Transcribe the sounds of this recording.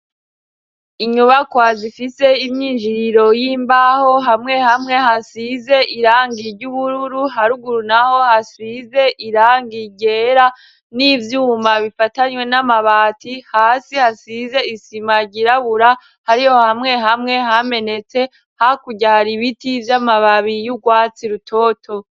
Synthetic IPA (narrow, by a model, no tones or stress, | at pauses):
iɲuβakwazifise̞imɲiːnʒiɾiɾo̞jiːmbaho̞ɦamŋe̞hamŋe̞hasize̞ʔiɾaːŋɡiɾɟuβuɾuɾuɦaɾuɡuɾunaho̞hasize̞ʔiɾaːŋɡiɟe̞ɾa | nivjuːmaβifataɲwe̞namaβaːtʰihaːsihasize̞isimaɾɟiɾaβuɾa | haɾiho̞hamŋe̞ɦamŋe̞ɦame̞ne̞t͡se̞ | hakuɟaɾiβitivjamaβaβijuɡwaːt͡siɾutʰo̞ːtʰo̞